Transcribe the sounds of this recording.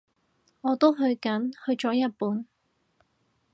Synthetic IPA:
ŋɔː˨˧t̪o˥wɦɵ˧ɥkɐ˨˥nhɵ˧ɥt͡ʃɔː˨˥jɐ˥t̚puː˨˥n

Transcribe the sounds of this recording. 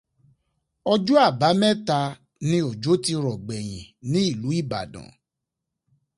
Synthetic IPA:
ɔ˧d͡ʒu˦a˦˨ba˨˦mɛ̃˦ta˧ | nĩ˧o˨d͡ʒo˨˦ti˧ɾɔ˨ɡ͡bɛ˨j̃ḭ̃˨nĩ˨˦i˦˨lu˨˦i˦˨ba̰˨dã̰˨˦

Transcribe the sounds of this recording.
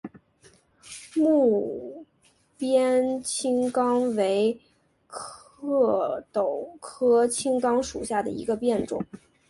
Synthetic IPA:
mu˥˩˥ | pjɛ˥nt͡ɕʰi˥ŋkɑ˥ŋwe˧˥ɪ | kʰ | ɤ˥˩t̪o˨˩ʊkʰɤ˥t͡ɕʰi˥ŋkɑ˥ŋʂṵ˨˩ɕja˥˩d̪ə̰˩ḭ˧˥ɡə˧pjɛ˥˩nʈ͡ʂʊ̰˨˩˦

